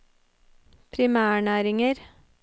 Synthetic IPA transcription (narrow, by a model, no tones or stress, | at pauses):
pʰɾɪmæːɳæːɾɪŋəɾ